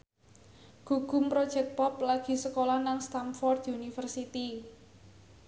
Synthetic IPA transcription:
ɡ̥uɡ̥ʊ̤mpɾɔd̥ʒ̥ɛk̚t̪̚pɔplaɡ̥i̤səkolanaŋst̪amfɔrd̪iunifərsit̪i

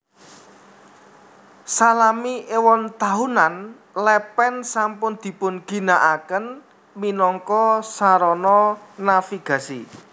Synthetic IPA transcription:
salamiʔewɔnt̪aɦunan | lɛpɛnsampʊnd̪̥i̤pʊnɡ̥i̤naʔakən | minɔŋkɔsaɾɔnɔnafiɡ̥ä̤sḭ

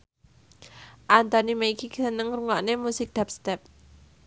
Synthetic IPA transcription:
ʔant̪ɔnimeikiksənəŋruŋɔʔnemusɪk̚d̪̥ap̚st̪ɛp̚

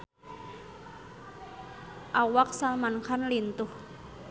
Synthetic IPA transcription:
ʔawak̚salmankʰanlint̪uh

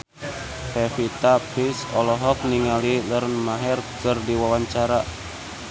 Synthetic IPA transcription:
hɛfit̪apisɔlɔɦɔk̚niŋalilərnmaɦɛrkɨrdiwawaɲt͡ʃaɾa

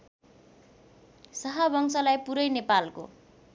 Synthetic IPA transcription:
sʌɦʌbʱʌŋsʌlajpuɾʌjnepalko̰

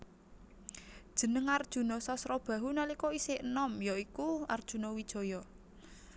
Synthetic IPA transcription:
d̥ʒ̥ə̤nəŋard̥ʒ̥ṳnɔsɔsɾɔb̥ä̤ɦunalikɔiseənɔmjɔikuard̥ʒ̥ṳnɔwid̥ʒ̥ɔ̤jɔ

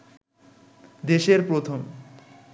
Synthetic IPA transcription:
d̪eʃeɾpɾot̪ʰom

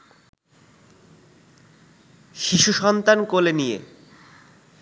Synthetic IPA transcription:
ʃiʃuʃɔnt̪ankolenijḛ

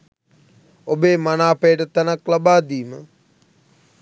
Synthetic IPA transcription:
obeːmɐnaːpeːʈət̪ɐnɐklɐbaːd̪iːmə

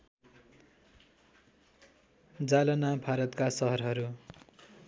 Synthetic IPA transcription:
d͡zalʌnabʱaɾʌt̪kasʌɦʌrɦʌɾu

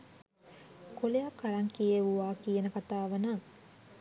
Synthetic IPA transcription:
koleɐkːɐɾɐŋkijeʋuʋaːkijenəkat̪aːʋɐnaŋ

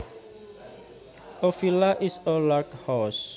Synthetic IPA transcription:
ɔfilaʔisɔlakhɔs

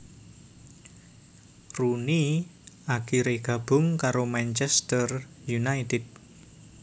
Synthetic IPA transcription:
runiʔakiɾeɡ̥a̤b̥ʊ̤ŋkaɾomɛnt͡ʃɛst̪ərjunajt̪ɪd̚

